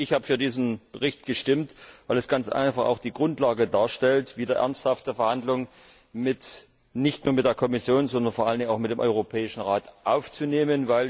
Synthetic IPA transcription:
ʔɪçhaːbə̥fyːɐdiːzn̩b̥əʁɪçtɡ̥əʃtɪmtvaɪlɛsɡ̥ant͡sʔa̰ɪnfaχa̰ʊxd̥iːɡʁʊntlaːɡədaːɐʃtɛltv̥iːdɐʔɛ̰ɐnsthaftəfɛɐhandlʊŋ | mɪt | nɪçtnuːɐmɪt̚d̥eːɐkʰɔmɪsjoːnzɔndɐnfoɐʔaləndɪŋaʊxmɪtd̥eːmʔɔʏʁopʰɛːɪʃn̩ʁaːtʔaʊft͡suneːmənvaɪl

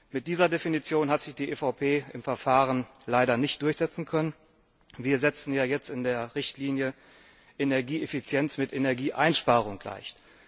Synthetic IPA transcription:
mɪt̚d̥iːzɐdefinit͡sjoːnɦatz̥ɪçd̥iːʔefaʊpʰeːɪmfɛɐfaːʁənlaɪɾɐnɪçt̚d̥ʊɐçz̥ɛt͡sn̩kʰœnən | viːɐzɛt͡sn̩jaːjɛt͡stɪndeːɐʁɪçtʰliːnjə | ʔenɛɐɡiːʔefit͡sjɛnsmɪtenɛɐɡiːʔaɪnʃpaːʁ̞ʊŋɡla̰ɪçt

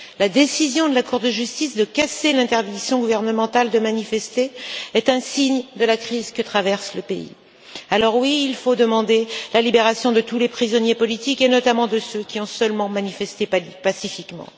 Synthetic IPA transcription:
lad̪esizjɔ̃d̪əlakuʁd̪əʒyst̪isd̪əkaselɛ̃t̪ɛʁd̪iksjɔ̃ɡuvɛʁnəmɑ̃t̪ald̪əmanifɛst̪eɛt̪ɛ̃siɲd̪əlakχizkət̪χavɛʁsləpeḭ | alɔʁwiːlfod̪əmɑ̃d̪elalibeʁasjɔ̃d̪ət̪ulepχizɔnjepɔlit̪ikenɔt̪amɑ̃d̪əsøkʲiɔ̃sœlmɑ̃manifɛst̪epasifikmɑ̰̃

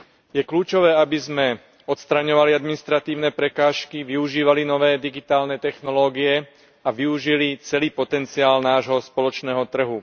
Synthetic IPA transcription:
jɛkluːt͡ʃɔʋɛːabizmɛ | ɔt̪st̪ɾaɲɔʋaliad̪minist̪ɾat̪iːʊnɛpɾɛkaːʃkiʋiuʒiːʋalinɔʋɛːd̪iɡit̪aːlnɛt̪ɛxnɔlɔːɡiɛ | aʋiuʒilit͡sɛliːpɔt̪ɛnt͡siaːlnaːʒɦɔspɔlɔt͡ʃnɛːɦɔt̪r̩ɦu

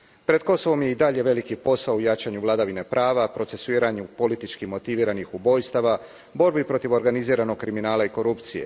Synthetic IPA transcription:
pɾe̞d̪ko̞so̞ʋo̞mje̞id̪aʎe̞ʋe̞likipo̞saujat͡ʃaɲuʋlˠad̪aʋine̞pɾʔaːʋapɾo̞t̪se̞suiːɾaɲupo̞lit̪it͡ʃkimo̞t̪iʋiːɾanixubo̞ːjst̪aʋa | bo̞ɾbipɾo̞t̪iʋo̞ɾɡaniziːɾano̞ɡ̚kɾiminaːlaiko̞ɾupt̪sije̞̰

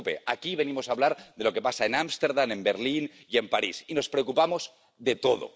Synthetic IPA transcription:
pḛakiβe̞nimo̞saβlaɾðe̞lo̞ke̞pasaenamst̪eɾðane̞mbeɾlin | iempaɾisino̞spɾeokupamoz | ðet̪oðo̰

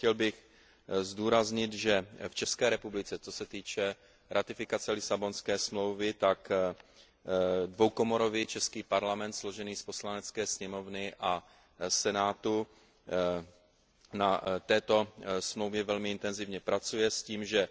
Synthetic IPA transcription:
cɛlbɪx | zduːɾazɲɪt̪ʒɛft͡ʃɛskɛːɾɛpublɪt͡sɛt͡sosɛt̪iːt͡ʃɛ | ɾʔat̪ɪfɪkat͡sɛlɪsabo̞nskɛːsmlowvɪt̪ak | dvo̞wko̞moɾo̞vit͡ʃɛskiːpaɾlamɛnt̪slo̞ʒɛniːspo̞slanɛt͡skɛːsɲɛmo̞vnɪʔa | sɛnaːt̪u | nat̪ɛːt̪o̞smlowvjɛvɛlmɪɪnt̪ɛnzɪvɲɛpɾat͡sujɛsciːmʒɛ

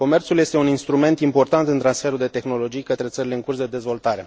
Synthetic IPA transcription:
ko̞me̞rt̪sulje̞st̪euninst̪ɾume̞nt̪impo̞rt̪ant̪ɨnt̪ɾansfe̞ɾud̪e̞t̪e̞xno̞lo̞d͡ʒijkət̪ɾesəɾile̞ɨŋkursd̪e̞d̪e̞zvo̞lt̪aɾe̞

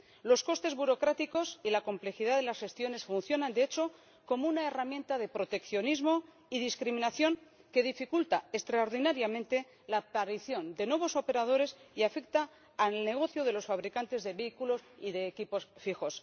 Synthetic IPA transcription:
lo̞sko̞st̪e̞zβuɾo̞kɾat̪iko̞silako̞mple̞xiðaðe̞lasxe̞st̪jo̞ne̞sfun̟θjo̞nãnd̪eet͡ʃo̞ | ko̞mounae̞ramjẽ̞nt̪aðe̞pɾo̞t̪e̞kθjo̞nizmo̞ | iðiskɾimĩnaθjo̞ŋ | ke̞ðifikult̪aest̪ɾaoɾðinaɾjamẽ̞nt̪e̞ | lapaɾiθjo̞nd̪e̞nwe̞β̞o̞so̞pe̞ɾað̞o̞ɾe̞siafe̞k̚t̪aː | lne̞ɣ̞o̞θjoð̞e̞lo̞sfaβɾikant̪e̞zðe̞βe̞ikulo̞siðe̞ːkipo̞sfixo̞s

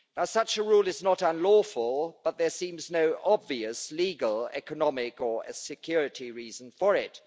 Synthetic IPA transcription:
naʊsʌt͡ʃəɹulˠɨznəɾə̃nlɔfəlˠb̥ʌt̪̚ðə˞sĩmznoʊʔɑbviɨsliɡəlˠɛ̰kənɑmɪkə˞ɨsɨkʰj̥ʊɹɨɾiɹizə̃n̩fə˞ɪt

